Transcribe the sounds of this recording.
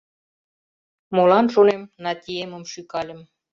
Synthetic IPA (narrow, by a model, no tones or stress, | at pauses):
molɑnʃunemnɑt̪ʲijeməmʃykɑlʲə̆m